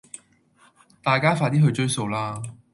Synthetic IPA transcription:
t̪aː˨jkaː˥faː˧t̪iː˥ɦɵ˧t͡ʃɵ˥ɥso˧wlaː˥

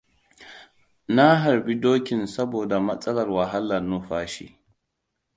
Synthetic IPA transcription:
na˦ɦa˨ɾbi˦doː˦kʲɪ˨nsɐ˦boː˨da˨mɐ˦sʼɐ˦lɐ˨rwɐ˨ɦa˦lːa˨nːu˦ɸaː˦ʃḭ˦

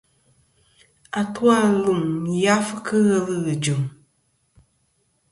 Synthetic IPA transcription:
a˨twa˦˨lu˨m˨ja˦fkʰɨ˦ɣə˦lɨ˦ɣɨ˨d͡ʒu˨m

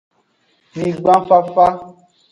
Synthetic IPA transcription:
mĩ˨ɡ͡bã˦fa˦fa˦

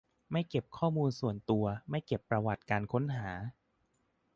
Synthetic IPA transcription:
ma˥˩jke˨˩p̚kʰɔː˥˩muː˧nsu˨˩ənt̪u˧ɐma˥˩jke˨˩pːɾa˧wa˨˩t̪̚kaː˧nkʰo˦˥nɦaː˩˦

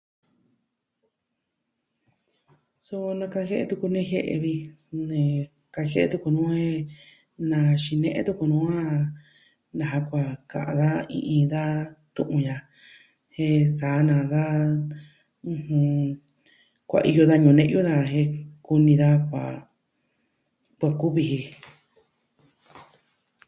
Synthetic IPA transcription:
so˧nã˧ka˧he˦ʔe˧t̪u˧ku˧nẽ˧˦he˧ʔḛ˧βi˧nẽ˧ | ka˧he˦ʔe˧t̪u˧ku˧nũː˦he˦ | nã˧ʃi˧nẽ˧ʔḛ̃˦t̪u˧ku˧nũ˦ã˦ | nã˨ɦa˧kʷa˧kã̰˧ʔã̰˧ða˦ḭ̃˧ʔĩ˧ða˦t̪ṵ̃˧ʔũ˧ja˧ | he˧saː˨˦nã˨ða˦ | ũ˧hũ˧ | kʷa̰˨˧ʔi˧jo˧ða˧ɲũ˨nẽ˧ʔju˦ða˧ɦe˧ku˧nĩ˧ða˦kʷa̰˨ | kʷa˧ku˦βi˧hi˧

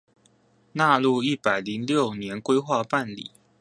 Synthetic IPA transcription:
na˥˧lu˥˧i˥˩pa˨˩ɪli˨˦ŋljo˥˩ʊnjɛ˨˦˥nkwe˥ɪxwa˥˧pa˥˨nlḭ˨˩˦

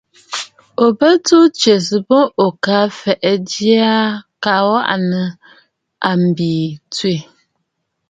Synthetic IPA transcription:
o˨bə˦tu˦t͡ʃe˨s̬ɨ˨bo˦o˨ka˦fɛ˨ʔɛ˨dja˦ka˨˦wa̰˦ʔnə˨ | a˨m̩˨biː˨tɥe˨

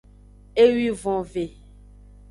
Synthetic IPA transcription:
e˦wi˦vɔ̃˨ve˨

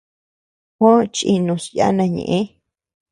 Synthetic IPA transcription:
hõ˦t͡ʃi˧˨nũ˧sja̰˦nã˧ɲḛ̃˨ʔẽ˦

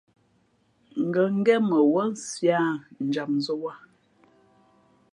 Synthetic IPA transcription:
ŋ̩˨ɡə˨ŋ̩˦ɡɛ˦mə˨wə˦n̩˦sja˦n̩˨d͡ʒa˨p̚nzə˦wa˦˨

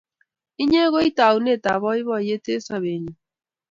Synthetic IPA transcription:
i˦ɲe˦ɣo˦i˦ta˨u˨ne˦˨ta˨βɔ˦i˦βɔ˦˨je˦te˦sa˨βe˨ɲu˨

